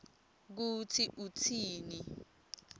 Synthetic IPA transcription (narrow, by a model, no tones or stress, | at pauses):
k̬utʰiʔutʰiːni